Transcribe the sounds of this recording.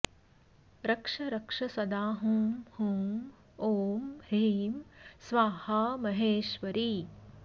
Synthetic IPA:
ɾɐkʂɐɾɐkʂɐsɐd̪aːɦũhum | oːmheːmsʋaːhaːmɐɦeːʃʋɐɾiː

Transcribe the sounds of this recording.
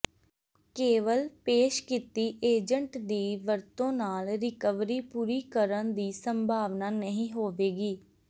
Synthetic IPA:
keːʋəlpeːʃkit̪iːʔeːd͡ʒəɳʈd̪iːʋəɾt̪õːnaːlɾɪkəʋɾiːpuːɾiːkəɾənd̪iːsəmbʱaːʋnaːnəɦĩːɦoːʋeːɡiː

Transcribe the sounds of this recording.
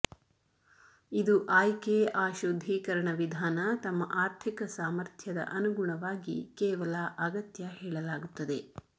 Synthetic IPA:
id̪uʔaːjkeaːʃod̪ʱiːkɐɾɐɳɐʋid̪ʱaːnɐt̪ɐmːɐʔaːɾt̪ʰikɐsaːmɐɾt̪ʰjɐd̪ɐ̰ʔɐnuɡuɳɐʋaːɡḭkɛːʋɐlɐʔɐɡɐt̪jɐhɛːɭɐlaːɡut̪ːɐd̪e

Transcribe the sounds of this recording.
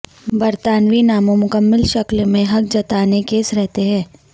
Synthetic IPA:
bɐɾt̪aːnʋinaːmõmʊkəmːɪlʃɐklmẽɦɐk̚d͡ʒɐt̪aːnekeːsɾɛɦt̪eɦɛ̃ː

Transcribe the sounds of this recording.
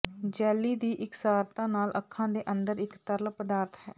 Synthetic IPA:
d͡ʒɛːlːiːd̪iːʔɪksaːɾt̪ãːnaːlʔəkʰːãːd̪eːʔənd̪əɾɪkt̪əɾlpəd̪aːɾt̪ʰɦɛː

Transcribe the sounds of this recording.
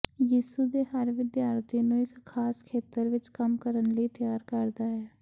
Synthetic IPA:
jiːsud̪eːɦəɾʋɪd̪jaːɾt̪inũɪkːʰaːskʰeːt̪əɾʋɪt͡ʃkəmkəɾənləit̪jaːɾkəɾd̪aːɦɛː

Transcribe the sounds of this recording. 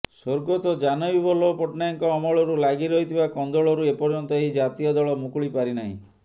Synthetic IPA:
soɾɡot̪ɔd͡ʒanɔbibɔlɔpɔʈnajɔŋkɔːmɔɭɔɾulaɡiɾɔɦit̪ʰibakɔnd̪ɔɭɔɾuepɔɾd͡ʒɔnt̪ɔeɦid͡ʒat̪ijɔd̪ɔɭɔmukuɭipaɾina̰ɦḭ̃

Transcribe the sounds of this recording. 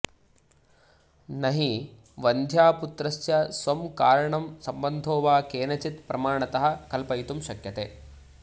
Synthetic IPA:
nɐɦi | ʋɐnd̪ʱjaːput̪ɾɐsjɐsʋɐmkaːɾɐɳɐmsɐmbɐnd̪ʱoːʋaːkeːnɐt͡ʃit̪pɾɐmaːɳɐt̪ɐɦɐ̆kɐlpɐjt̪umʃɐkjɐt̪eː

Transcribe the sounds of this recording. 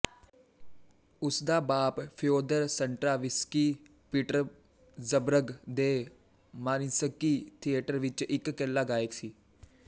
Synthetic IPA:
ʊsd̪aːbaːppʰɪjoːd̪əɾsəɳʈɾaːʋɪskiː | pɪʈəɾ | zəbɾəɡd̪eː | maːɾɪnsəkːiːt̪ʰieːʈəɾʋɪt͡ʃɪkːɛlːaːɡaːeksiː

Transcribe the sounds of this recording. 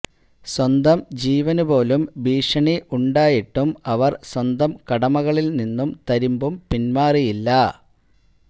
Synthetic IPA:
swɐnd̪ɐmd͡ʑiːʋɐnubo̞ːlumbiːʂɐɳiʔuɳɖaːjiʈːumɐʋɐrswɐnd̪ɐmkɐɽɐmɐɣɐɭilninːumt̪ɐɾimbumpinmaːrijilːɐ

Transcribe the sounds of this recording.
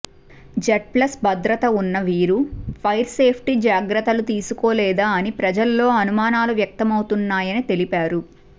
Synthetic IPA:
d͡ʒɐʈ̚plɐsbɐd̪ɾɐt̪ɐunːɐʋiːɾupʰɐjɾse̞ːpʰʈid͡ʒaːɡɾɐt̪ɐlut̪iːsukoːlɛːd̪aːɐnipɾɐd͡ʒɐlːo̞ːɐnumaːnaːluʋjɐk̚t̪ɐmɐwut̪unːaːjɐnit̪e̞lipaːɾu

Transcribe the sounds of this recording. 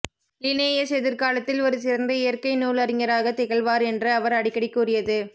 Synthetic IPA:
lɪneːjɐsɛðɪɾkaːlɐt̪ːɪlɔɾɯsɪɾɐnd̪ɐɪjɐrkɐɪnuːlɐɾɪŋɐɾaːɣɐt̪ɪɣɐɭʋaːɾɛndrɯɐʋɐɾɐɽɪkːɐɽɪkːuːrɪjɐðɯ

